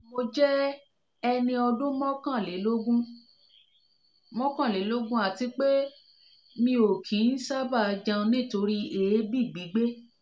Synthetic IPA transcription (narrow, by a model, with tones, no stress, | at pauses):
mo˧d͡ʒɛ˦ | ɛ˧nĩ˧ɔ˧dũ˦mɔ̃˦kã˦˨le˨˦lo˦ɡũ˦ | mɔ̃˦kã˦˨le˨˦lo˦ɡũ˦a˨ti˧k͡pe˦ | mĩ˧o˨kʰĩ˨˦n̩˦sa˦ba˦˨˧d͡ʒã˧nĩ˦˨to˧ɾi˦e˨e˦bi˦˨ɡ͡bi˨˦ɡ͡be˦